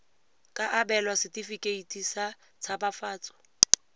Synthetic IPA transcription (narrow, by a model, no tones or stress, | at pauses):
kʼaʔabɛlwasɪtʼifikʼeitʰʼisa | t͡sʰabafaːt͡sʼɔ̥